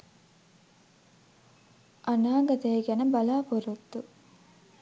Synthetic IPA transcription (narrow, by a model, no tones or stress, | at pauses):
ʔɐnaːɡɐt̪eːɡɐnɐbɐlaːpuɾut̪ːu